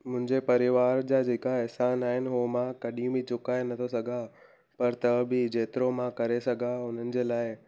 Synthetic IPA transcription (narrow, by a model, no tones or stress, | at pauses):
mʊ̃ɦɪ̃ɲd͡ʑepɐɾɪʋaːɾd͡ʑaːd͡ʑeːkaɛɦsaːnaːɦɪnɪ̆ɦomãkɐɗĩbɪt͡ɕʊkaːenɐt̪ʰosɐɡʱa | pɐɾt̪ɐbʱɪd͡ʑeːt̪ɪɾomãkɐɾesɐɡʱaʊn̤ənɪ̆d͡ʑeːlaːɪ